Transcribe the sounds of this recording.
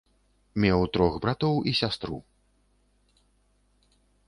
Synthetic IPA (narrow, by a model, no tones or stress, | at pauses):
mʲɛwt̪ɾɔxbɾat̪ɔwisʲast̪ɾṵ